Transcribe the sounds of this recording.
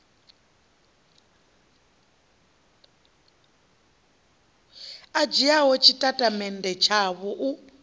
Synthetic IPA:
ad͡ʒijaɦɔt͡ʃʰitʼatʼamɛndɛt͡ʃʰaβɔʔu

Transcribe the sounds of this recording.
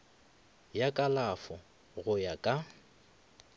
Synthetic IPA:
jakʼalafɔ | ɣʊjakʼa

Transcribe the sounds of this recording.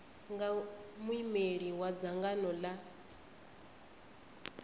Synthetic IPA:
ŋɡamwimeɺiwad͡zaŋɡanɔla

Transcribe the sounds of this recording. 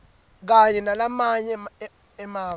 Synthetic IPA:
k̬aɲɛnalamaɲɛ | ɛmaː

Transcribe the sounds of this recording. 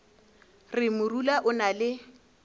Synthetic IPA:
rɪmʊrulaʔʊnalɪ

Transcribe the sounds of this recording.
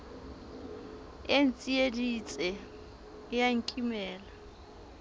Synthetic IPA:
en̩t͡sʼiedit͡sʼɛ | jaŋ̩kʼimɛːla

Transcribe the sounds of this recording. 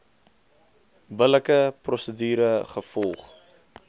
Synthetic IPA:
bələkəprɔsədyːɾəχəfɔlˠχ

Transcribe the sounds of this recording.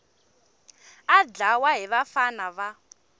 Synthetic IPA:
ad͡ɮawaɦiβafanaβa

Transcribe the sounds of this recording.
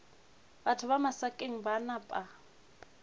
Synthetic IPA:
batʰʊβamasakʼeŋ̩banapʼa

